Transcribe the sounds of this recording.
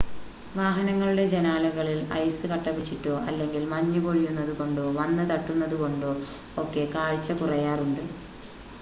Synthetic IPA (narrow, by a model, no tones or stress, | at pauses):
ʋaːɦɐnɐŋːɐɭuɽe̞d͡ʑenaːlɐɣɐɭilɐ̰jsɨkɐʈːɐpːit͡ɕːiʈːo̞ːʔɐlːe̞ŋɡilmɐɲːupo̞ɻijunːɐðuko̞ɳɖo̞ːʋɐnːɨt̪ɐʈːunːɐðuko̞ɳɖo̞ː | okːe̞kaːɻt͡ɕːɐpurɐjaːruɳɖɨ